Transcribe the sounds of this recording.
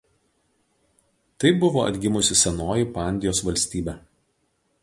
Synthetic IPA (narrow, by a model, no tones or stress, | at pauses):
t̪ɐɪbʊʋoːʔɐ̰t̪ʲɡʲɪmʊsʲɪsʲɛnoːjɪpɑˑnʲd̪ʲɪjoːsʋɐlʲsʲt̪ʲiːbʲɛ